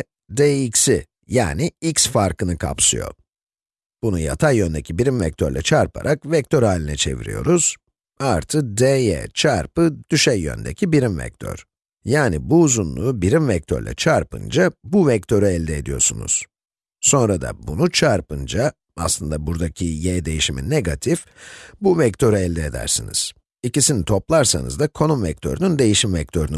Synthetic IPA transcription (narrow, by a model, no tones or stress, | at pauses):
d̪eicsi | jaːniicsfaɾkɯnɯkʰa̰psɯ̰jo̰ | b̥unuja̰t̪ʰajjønd̪ɛcʰibiɾimvɛc̚t̪ʰøɾlʲɛt͡ʃʰaɾpʰa̰ɾʔakvɛc̚t̪ʰø̞ɾɦaːlʲinɛt͡ʃʰe̞̰vḭɾḭjo̞̰ɾuz̥ | aɾt̪ʰɯk̚d̪ejɛ̰t͡ʃʰaɾpɯd̪̥yʃɛjːø̰nd̪ɛ̰cʰibiɾimvɛ̰c̚t̪ʰø̰ɾ̥ | jaːnibuːzunlˠuːbiɾimvɛc̚t̪ʰøɾlʲɛ̰t͡ʃʰaɾpʰɯ̰nd͡ʒabuvɛc̚t̪ʰø̞ɾyɛlʲd̪ɛed̪ijo̞ɾsṵnṵz̥ | so̞nɾad̪a̰bunut͡ʃʰaɾpɯnd͡ʒa | a̰slˠɯnd̪abuɾd̪acʰijɛːd̪e̞jiʃiminːeɡat̪ʰif | buvɛct̪ʰø̞ɾyɛlʲd̪ɛːd̪æ̰ɾsiniz̥ | icisinit̪ʰo̞plˠaɾsa̰nɯ̰zd̪akʰo̞numvɛc̚t̪ʰø̞ɾynynd̪e̞jiʃimvɛc̚t̪ʰø̞ɾyn